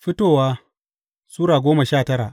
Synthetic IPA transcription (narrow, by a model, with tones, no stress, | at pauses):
ɸɪ˦toː˦˨waː˦ | suː˦ɽaː˨ɡʷoː˦mɐ˨ʃaː˦˨tɐ˦ɽa̰˨ʔ